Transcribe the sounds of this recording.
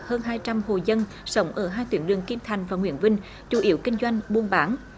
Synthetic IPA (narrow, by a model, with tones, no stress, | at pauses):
həː˧nɦaː˧jt͡ɕa˧mho˨˩zə˧n | sə˨˦wŋ͡mʔəː˧˩ɦaː˧jt̪wḭ˨˧˦ənɗɨ˨˩əŋki˧mt̪ʰa˨˩jŋ̟vaː˨˩ŋwḭ˧˩ənvï˧ŋ̟ | t͡ɕu˧˩˦ʔi˧˦əwkï˧ŋ̟zwa˧jŋ̟ɓu˧ənɓaː˨˦n